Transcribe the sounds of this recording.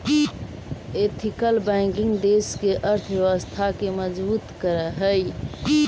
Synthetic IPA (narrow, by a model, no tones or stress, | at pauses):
et̪ʰikəlbaɪkiŋɡd̪eskeʔəɾt̪ʰbjeʋəst̪ʰakeməd͡ʒbut̪kəɾəɦəj